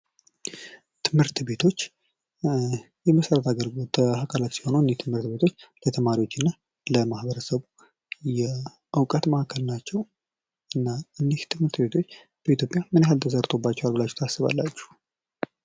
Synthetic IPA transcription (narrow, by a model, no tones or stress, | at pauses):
t̪ʰɨmhɨɾt̪be̞t̪ʰo̞t͡ʃː | jɛməsəɾət̪ʰaɡəɾɡot̪akʰalat̪si̥ho̞nuɨnːiht̪ʰɨmhɨɾt̪be̞t̪ʰo̞t͡ʃːlət̪ʰəmaɾiwo̞t͡ʃːɨnːa | ləmahbəɾəsəβu | jɛ | ʔɨwkʼət̪maʔkʰəlnat͡ʃːɛw | ɨnːaɨnd̪iht̪ʰɨmhɨɾt̪be̞t̪ʰot͡ʃː | b̥əit̪jo̞pʼjamɨnɦalt̪ʰəsəɾt̪ʼo̞bːat͡ʃːɛwalbɨlat͡ʃːu̥t̪ʰasːɨβa̰lːa̰t͡ʃːu̥